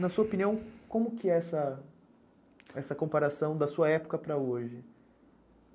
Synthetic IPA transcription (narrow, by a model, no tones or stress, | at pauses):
nɐsuɐopĩniɐ̃w̃kõmʊkɪɛsɐ | ɛsɐkõmpaɾasɐ̃w̃d̪ɐsuɐɛpʊ̥kɐpɾɐoʒɪ